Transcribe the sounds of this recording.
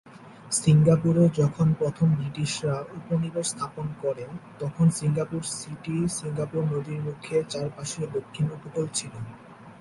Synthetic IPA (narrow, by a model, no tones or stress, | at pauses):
siŋɡapuɾed͡ʑɔkʰonpɾot̪ʰombɾiʈiʃɾauponiboɾst̪ʰaponkɔɾent̪ɔkʰonsiŋɡapuɾsiʈisiŋɡapuɾnod̪iɾmukʰːet͡ɕaɾpaʃid̪okʰːinokukolt͡ɕʰilen